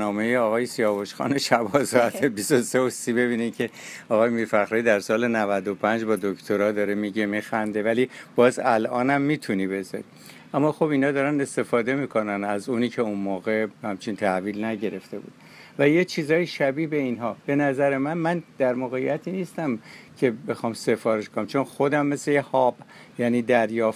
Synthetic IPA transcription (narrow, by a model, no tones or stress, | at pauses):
nɒːme̞jeɒːɣɒːjesijɒːboʃxɒ̰ːneʃæbɒsɒːæt̪ʰebist̪oseosiːbe̞βiːnimcʲʰe̞ɒːɣɒːjemiːɾfæχɾɒːid̪æɾsɒːle̞nævæd̪o̞pʰænd͡ʒbɒːd̪okt̪ʰoɾɒd̪ɒːɾemiːɟemixænd̪e̞vælib̥ɒːzælʔɒːnæmːiːt̪ʰunibe̞zɒ̰ɾḭ | ʔæmːɒːxo̞binhɒːd̪ɒːɾæne̞st̪e̞fɒːd̪e̞miːkʰo̞nænæzuːniːcʰe̞unmoːɣe̞hæmt͡ʃʰint̪ʰæhviːlnæɟe̞ɾe̞ft̪e̞bṵːd̪ | væjet͡ʃʰiːzɒːjiʃæbiːhbeinɦɒːb̥e̞næzæɾe̞mænmænd̪̥æɾmoɣejæt̪ʰiːniːst̪æmcʰe̞be̞xɒːmse̞fɒːɾe̞ʃkonæmt͡ʃʰo̞nxo̞d̪æmːe̞slejehɒːb̥̚ | jæniːd̪æɾjɒːf